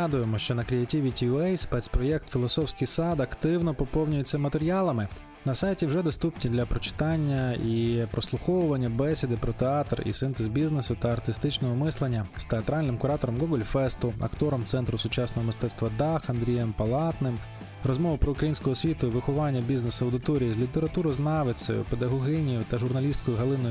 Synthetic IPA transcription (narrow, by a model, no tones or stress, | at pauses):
d̪ʊjemɔʃt͡ʃɔnɐkɾʲijɐtʲiʋʲitʲiɛjspɛt̪sʲpɾɔjɛkt̪fʲilˠɔsɔwsʲkɪjsɑd̪ɐkt̪ɪwnɔpɔpɔwnʲʊjetʲt͡sʲːɐmɐt̪eɾʲijɑlˠɐmɪ | nɐsɑjtʲiwʒɛd̪ɔst̪upnʲid̪lʲɐpɾɔt͡ʃɪ̥t̪ɑnʲːɐipɾɔslˠʊxɔwʊʋɐnʲːɐbɛsʲɪd̪ɪpɾɔt̪eɑt̪rḭsɪnt̪ezbʲiznesʊt̪ɐːrt̪ɪst̪ɪt͡ʃnɔɦɔmɪslˠenʲːɐst̪eɐt̪ɾɑlʲnɪmkʊɾɑt̪ɔɾɔmɡɔɡɔlʲfɛst̪ʊɐ̰kt̪ɔɾɔmt̪sɛnt̪ɾʊsʊt͡ʃɑsnɔɦɔmɪst̪ɛt̪st̪ʋɐd̪ɑxɐnd̪ɾʲijɛmpɐlˠɑt̪nɪm | rɔzmɔʋɐpɾɔʊkɾɐjinʲsʲkɔɦɔsʲʋʲit̪ʊʋɪxʊʋɑnʲːɐbʲiznesʊɐwd̪ɪt̪ɔɾʲijizʲlʲit̪eɾɐt̪uɾɔznɑʋesʲɐ̰jʊ̰ped̪ɐɦɔɦɛnʲijʊt̪ɐʒʊrnɐlʲist̪kɔjʊɦɐlˠɪnɔj